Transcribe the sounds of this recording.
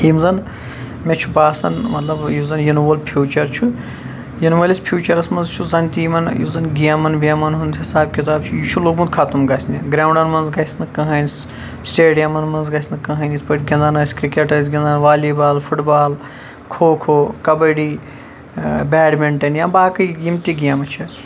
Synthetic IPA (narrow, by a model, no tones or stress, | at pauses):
imzɐn | met͡ʃʰubaːsɐnmɐt̪lɐbjuzɐnjunuʋɐlpʰjuːt͡ʃɐɾt͡ʃʰu | jinʋɐlispʰjuːt͡ʃɐɾɐsmɐnzt͡ʃʰuzɐnʲt̪iːmɐnjḭzɐnɡiɐmɐnʋiɐmɐnɦund̪ɦisaːb̚kʲit̪̬aːbt͡ʃʰujut͡ʃʰuloːɡmɐnd̪kʰat̪umɡɐsʲniɡɾaːuɳɖɐnmɐnzɡɐsʲnɨkɐɦɐnis | sʈeːɖijɐmɐnmɐnzɡɐsʲnɨkɐɦɐnʲispɐʈɡʲɐnd̪anɐsʲkɾikeʈɐjzɡʲɐnd̪anʋaːlibaːlpʰuʈbaːl | kʰoːkʰoːkɐbɐɽi | bʲɛːɖmeɳʈɐnjãːbaːkɐjjimt̪iɡijamɐt͡ʃʰi